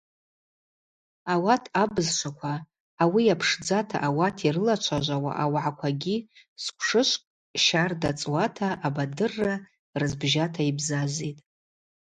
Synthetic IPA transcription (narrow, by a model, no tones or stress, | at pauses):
awatʰabɨzʃʷʰakʷʰaː | wijapʰʂd͡zatʰa̰ʔawatʰirɨlat͡ʃʷʰaʒʷawa̰ʔawʕakʷʰaɡʲiskʷʰʂɨʃʷʼkʼ | ʃardat͡sʼwatʰaʔːbadɨrːa | rɨzbʒatʰaibzazetʼ